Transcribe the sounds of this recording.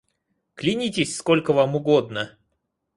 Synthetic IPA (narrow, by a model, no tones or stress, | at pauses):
klʲɪnʲitʲɪsʲskolʲkəvamʊɡo̞d̪nə